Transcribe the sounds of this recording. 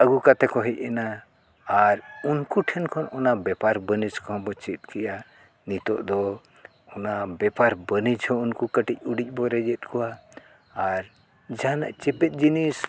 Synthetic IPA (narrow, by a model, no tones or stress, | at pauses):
əɡukat̪ɛkɔɦɛc̚ˀɛnaː | ɾunkuʈʰɛnkʰɔnɔnabɛpaɾbənid͡ʒkɔ̃bɔt͡ʃit̪̚ˀkɛʔa | nit̪ɔ̰ʔd̪ɔ | ɔnabɛpaɾbənid͡ʒhɔunkukəʈic̚ˀuɖic̚ˀbɔɾɛd͡ʒɛt̪̚kʰɔwaː | ɾ | d͡ʒanaʔt͡ʃɛpɛt̪̚ˀd͡ʒinis